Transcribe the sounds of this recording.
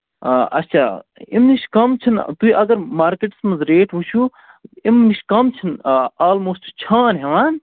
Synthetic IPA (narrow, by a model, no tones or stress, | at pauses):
ʔɐ̰t͡ʃʰaːimniʃkɐmt͡ʃʰɐnt̪uiʔɐɡɐɾmaːɾkeʈsmɐzɾeːʈʋut͡ʃʰu | imniʃkɐmt͡ʃʰɐnaːlmoːsʈt͡ʃʰaːnɦeʋan